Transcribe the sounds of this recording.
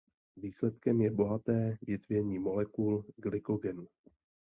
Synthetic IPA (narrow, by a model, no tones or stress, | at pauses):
viːslɛt̪kɛmjɛbo̞ɦat̪ɛːvjɪt̪vjɛɲiːmo̞lɛkulɡlɪko̞ɡɛn